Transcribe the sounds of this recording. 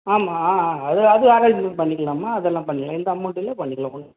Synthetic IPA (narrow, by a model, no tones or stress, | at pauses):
aːmaːɐðɯɐðɯaːɾɐlnpɐɳːɪkːɐɭaːmaːɐðɛlːãːpɐɳːɪkːɐɭãːɪnd̪ɐɐmːʊʈːɪlːɐpɐɳːɪkːɐɭãːkʊɽ